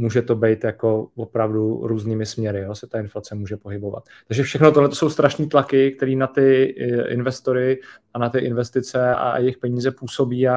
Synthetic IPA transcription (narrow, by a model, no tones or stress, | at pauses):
muːʒɛt̪o̞bɛjt̪jako̞vo̞pɾavduɾuːzniːmɪsmɲɛɾɪjoːsɛ̥t̪aɪnflat͡sɛmuːʒɛpo̞ɦɪbo̞va̰t̪̚t̪ːaɡʒɛfʃɛxnot̪oɦlɛt̪oso̞wst̪ɾaʃniːt̪lakɪk̚t̪ɛɾiːnat̪ɪɪ̰nvɛst̪o̞ɾɪanat̪ɪʔɪnvɛst̪ɪt͡sɛaʔa̰jɛxpɛɲiːzɛpuːso̞biːa